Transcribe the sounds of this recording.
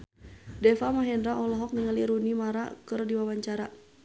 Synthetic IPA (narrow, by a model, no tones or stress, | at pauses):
dɛfamaɦɛndɾaʔɔlɔɦɔk̚niŋəliɾunimaɾa̰kɨrdiwawaɲt͡ʃaɾa